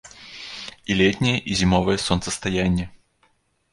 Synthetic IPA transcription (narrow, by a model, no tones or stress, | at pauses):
ilʲetʲnʲɪjəʔizʲɪmovəjəsonsəst̪ɐjænʲɪjə